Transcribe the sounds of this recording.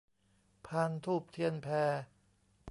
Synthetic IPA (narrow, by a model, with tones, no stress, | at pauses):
pʰaː˧nt̪ʰuː˥˩p̚t̪ʰi˧˩ənpʰɛː˧